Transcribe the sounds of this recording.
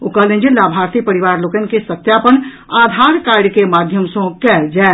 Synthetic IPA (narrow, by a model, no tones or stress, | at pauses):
ʊkaːlẽnd͡ʒilːaːbʱaːɾt̪ipɐɾɪʋaːɾloːkənkesɐt̪jaːpən | aːd̪ʱaːɾkaːɾɾjkemaːd̪ʱjəmsõkɛd͡ʒɛː